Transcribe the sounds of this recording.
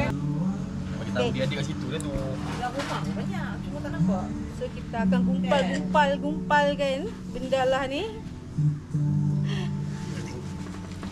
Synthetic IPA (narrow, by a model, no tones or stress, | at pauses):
amakit̪eiadikasit̪unɛt̪u | lamumakbaɲak̚t͡ʃumat̪anaŋbasokit̪aːkanɡumpalɡumpalɡumpalkan | bəndalahnɪ